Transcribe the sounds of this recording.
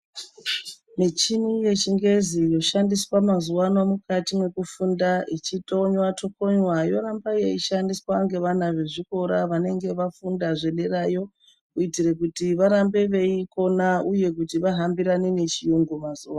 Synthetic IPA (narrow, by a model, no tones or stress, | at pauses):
mit͡ʃinije̞t͡ʃiŋɡe̞zijo̞ʃandiswamazuwanwamukatimwe̞kufundait͡ʃitʼo̞ɲwato̞ko̞ɲwajo̞ɾambajeiʃandiswaŋɡe̞ʋan̤aʋe̞ʐiko̞ɾaʋane̞ŋɡe̞ʋafundaʐe̞ɗe̞rajo̞ | uitire̞kutiʋaɾambe̞ʋe̞iko̞nauje̞k̬utiʋaɦambiɾanene̞t͡ʃijuŋɡumazuwa